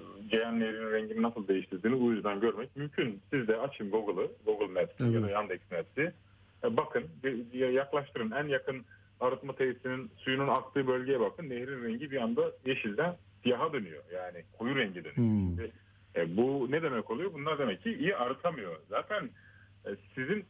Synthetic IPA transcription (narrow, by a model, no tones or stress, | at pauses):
d͡ʒejɛnlʲeɾininɾɛɲɟininasɯlˠd̪e̞jiʃt̪ʰiɾd̪iːniujuzd̪anɟøɾmɛcmymcʰynsizd̪ɛat͡ʃʰɯmɡoɡɯlˠɯɡoɡɯlˠmɛtsijad̪ajand̪ɛksmɛpsi | bakʰɯnjaklˠaʃt̪ʰɯɾɯnænjakʰɯn | aɾɯt̪mat̪ʰejisininsujununakt̪ʰɯːbø̞lʲɟejɛbakʰɯnːehɾinɾɛɲɟibiand̪ajeʃilʲd̪æn | sijaɦad̪ø̞nyjo̞̰jaːnɪkʰojuɾɛɲɟid̪ønyjot͡ʃʰimd̪ɪ | bunɛd̪emɛco̞lˠujo̞bunlˠaɾd̪e̞mɛcʰːiːjiʔaɾɯt̪ʰamɯjo̞zaːt̪ʰæn | ɛsizin